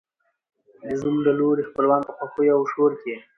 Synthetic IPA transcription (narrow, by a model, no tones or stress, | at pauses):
d̪əzumlaloɾexpəlwɑnp̪əxwaxojawʃoɾke